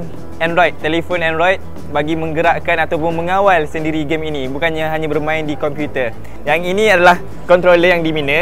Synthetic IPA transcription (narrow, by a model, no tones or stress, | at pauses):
n | ɛnɾajt̪̚t̪ːɛlefonɛnɾɔjt̪̚ | baɡimə̃ŋɡəɾaʔkanat̪awpʊnmə̃ŋawalsəndiɾiɡeminĩbukanɲaɦaɲãbərmãɪndikɔmpjut̪ə | jaŋinĩadalah | kɔnt̪ɾoləjaŋdiminə̃